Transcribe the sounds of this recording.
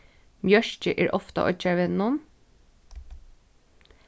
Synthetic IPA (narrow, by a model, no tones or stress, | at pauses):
mjœʃt͡ʃəʔeːɹʔɔft̪ɑ̰ʔɔ̰t͡ʃæɹʋɛnʊm